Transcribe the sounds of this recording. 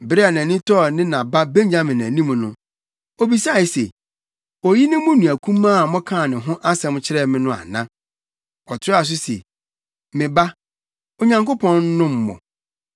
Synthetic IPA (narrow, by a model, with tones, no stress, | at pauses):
bɾɪ˦a˨nã˨nĩ˦tʰɔ˦˨nɪ̃˦nã˨ba˦bẽ˦ɲ˦d͡ʑa˦mɪ̃˨næ̃˨nĩ˦m˨nʊ̃˦ | ɔ˨bi˨sa˦˨i˨sḛ˨ | ɔ˨ji˦nɪ̃˦mʊ̃˦nũ˨æ˨kʰũ˦mãː˦˨mɔ̃˦kʰã˦˨nɪ̃˨ɦʊ̃˦ʔa˦sɛ̃˨m˦t͡ɕʰɪ˦ɾɛ˦˨mɪ̃˦nʊ̃˦a̰˨nã̰˦ | ɔ˨tʰɪ˦a˨s̬ʊ˦sḛ˨ | mɪ̃˨ba˦ | o˨ɲã˨ŋko˦pʰɔ̃˦n˦nʊ̃˦mː˨ɔ̰̃˨